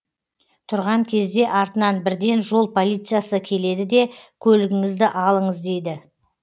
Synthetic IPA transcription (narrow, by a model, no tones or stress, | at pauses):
t̪ʰʊɾʁɑŋkʲʰe̞zd̪e̞ʔɑɾt̪ənɑnbɪɾd̪e̞nʒo̞lˠpʰo̞lʲˠijt̪sɨjasəkʲʰe̞le̞d̪ɪd̪e̞kʲʰɵlɪɡʲɪŋɪzd̪ɪʔɑlˠəɴəzd̪e̞jd̪ɪ